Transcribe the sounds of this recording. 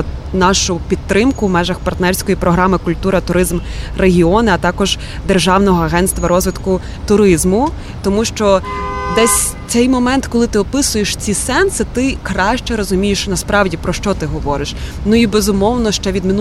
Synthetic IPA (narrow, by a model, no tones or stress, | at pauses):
nɑʃʊpʲit̪ːɾɪmkʊwmɛʒɐxpɐrt̪nɛrsʲkɔjipɾɔɦɾɑmɪkʊlʲt̪uɾɐt̪ʊɾɪzmreɦʲiɔnɪɐt̪ɑkɔʒ | d̪erʒɑwnɔɦɔɐɦɛntst̪ʋɐɾɔzʋɪt̪kʊ | t̪ʊɾɪzmʊ | t̪ɔmuʃt͡ʃɔd̪ɛsʲ | t̪sɛjmɔmɛnt̪kɔlˠɪt̪ɪɔpɪsʊjeʃt͡sʲisɛnsɪt̪ɪkɾɑʃt͡ʃɛɾɔzʊmʲijɪʃnɐspɾɑwdʲipɾɔʃt͡ʃɔt̪ɪɦɔʋɔɾɪʃnuibeɛzʊmɔwnɔʃt͡ʃɛʋʲid̪mʲin